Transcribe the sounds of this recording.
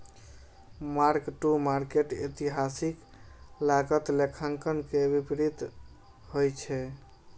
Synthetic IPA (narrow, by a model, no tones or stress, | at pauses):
maɾkʈumaɾkeʈit̪iɦasik | laɡət̪lekʰəŋkənkebipɾit̪ | hojt͡ʃʰɛ